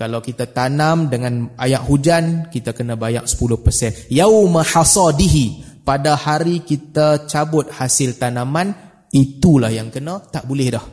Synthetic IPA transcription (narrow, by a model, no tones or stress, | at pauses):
kalawkit̪at̪anamdəŋãnajaʔhud͡ʒankit̪akənə̃baja̰ʔsə̥pulʊhpərsɛnjawmaħasɑdiɦi | padahaɾikit̪at͡ʃabʊt̪̚hasɪlt̪anaman | it̪ulahjaŋkənə̃t̪aʔbulɛhdah